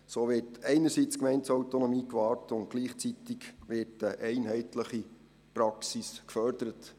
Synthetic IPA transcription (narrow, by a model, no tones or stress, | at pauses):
soːʋɪɾtʰɛɪnəsit͡skmɛɪntsɑwtonɔmiːkʋɑːrtʊnt̚ɡ̥liːχt͡sitikʋɪtəʔɛɪnɦɛɪtləχi | pɾɑksiskfœrdəɾət